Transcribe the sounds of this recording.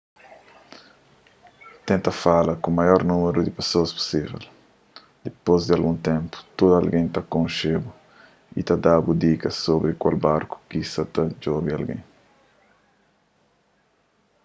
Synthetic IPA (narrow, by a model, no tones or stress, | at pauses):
t̪ẽnt̪ɐfalɐkũmajɔɾnũmeɾud̪ipesoɐspu̥sivɛ̰l | d̪̥epozd̪ɪalɡũnt̪ẽmpu̥t̪od̪alɡẽj̃t̪akõnʃebu | ḭt̪ad̪abud̪ikɐsobɾikwalbaɾku̥kisɐt̪ad͡ʒobialɡḛ̃j̃